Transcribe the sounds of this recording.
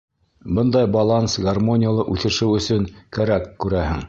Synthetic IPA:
bɤnd̪ɑjbɑlˠansɡɐrmo̞nʲɪjalˠɤʔʉθɘ̆ʃɘwɵ̆sɵŋkæɾækːʉɾæhɘŋ

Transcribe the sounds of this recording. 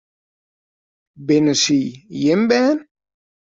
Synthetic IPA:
benəsijembɛːn

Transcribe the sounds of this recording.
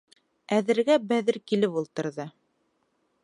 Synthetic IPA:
æðɘ̆ɾɡæbæðɘɾkilɘpulˠt̪ɤ̆ɾðɤ

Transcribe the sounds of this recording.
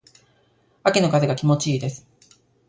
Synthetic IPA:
akʲino̞kazeɡakʲimo̞t͡ɕiːd̪e̞sɨ̥

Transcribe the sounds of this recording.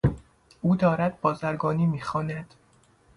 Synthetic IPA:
ʔuːd̪ɒːɾæd̪̚bɒːzæɾɡɒːniːmiːxɒːnæd̪̥

